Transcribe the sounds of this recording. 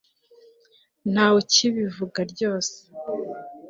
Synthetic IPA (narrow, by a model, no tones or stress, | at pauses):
n̥haːwociβivuɡaɾɟo̞ːse̥